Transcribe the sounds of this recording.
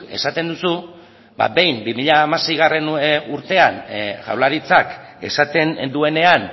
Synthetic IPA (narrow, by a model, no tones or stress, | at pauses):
e̞̰sat̪e̞nd̪usu | ba̰be̞jmbimiʎaːmase̞jɣare̞nuɾt̪e̞anʝa̰wlaɾit͡sake̞̰sat̪e̞nd̪ue̞ne̞an